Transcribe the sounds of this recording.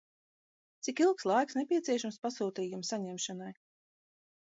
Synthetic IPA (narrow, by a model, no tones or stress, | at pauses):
t̪sikilˠkslˠajksnepʲiɛt̪siɛʃamspasuːt̪iːjumsaɲɛmʃanaj